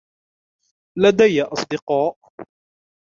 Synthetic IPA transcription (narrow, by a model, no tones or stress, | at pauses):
lad̪ajːaʔɑsˤd̪ɪqɑːʔ